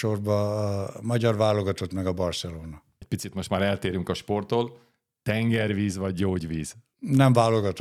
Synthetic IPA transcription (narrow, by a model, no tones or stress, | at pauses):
o̞rbɒmɒɟɒrvaːlo̞ɡɒt̪o̞t̪mɛɡɒbɒrsɛloːnɒ | ɛc̚pit̪sit̪mo̞ʃt̪maːɾɛlt̪eːɾyŋkɒʃpo̞rt̪oːl | t̪ɛŋɡɛrʋiːzʋɒɟːoːɟʋiːz̥ | nɛɱvaːlo̞ɡɒt̪